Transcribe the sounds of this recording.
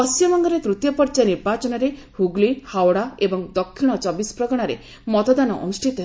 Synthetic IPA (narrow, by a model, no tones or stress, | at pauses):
ɔst͡ʃimɔŋɡɔɾet̪ɾut̪jɔpɔɾd͡ʒaniɾbat͡ʃɔnɔɾe | huɡlihawɽaebɔŋd̪ɔkʰːiɽ̃ɔt͡ʃɔbispɾɔɡɔɽ̃aɾḛ | mɔt̪ɔd̪anɔʔɔ̰nusʈʰit̪ɔɦe